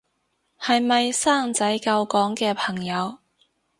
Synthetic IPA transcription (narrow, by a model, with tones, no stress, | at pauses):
hɐ˨jmɐ˨jsaː˥˩ŋt͡sɐ˨˥jkɐ˧wkɔː˨˥ŋkɛː˧pʰɐ˨˩ŋjɐ˨˧w